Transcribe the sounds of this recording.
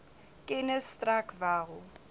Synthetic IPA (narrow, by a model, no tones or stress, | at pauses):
kʼɪnɛstʼrakʰvaːɣʊ